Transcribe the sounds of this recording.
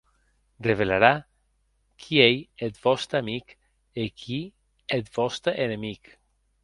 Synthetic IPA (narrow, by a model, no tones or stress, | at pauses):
reβelaɾa | kʰiejet̪bɔst̪ɾamik | ekʰi | et̪bɔst̪ɾeʔenemik